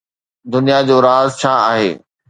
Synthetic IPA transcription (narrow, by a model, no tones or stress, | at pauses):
d̪ʊnijad͡ʑoːɾaːzt͡ɕʰaːaːɦeː